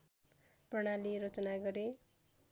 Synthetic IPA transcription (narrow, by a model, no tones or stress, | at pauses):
prʌɽ̃aliɾʌt͡sʌnaɡʌɾe